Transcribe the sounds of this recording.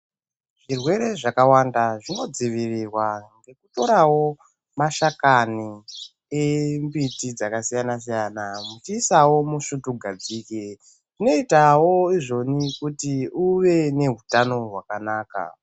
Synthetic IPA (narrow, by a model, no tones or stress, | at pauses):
ʐ̥irwe̞ɾe̞ʐakawandaʐino̞d͡ziʋirirwaŋɡe̞kuto̞ɾawo̞ | maʃakani | embitid͡zakasijanas̬ijanamut͡ʃiːsawo̞muʂutuɡʱad͡ziːke | ʐino̞itawo̞iʐo̞nikutiuʋe̞ne̞ɦutano̞ɦwakanaːka̰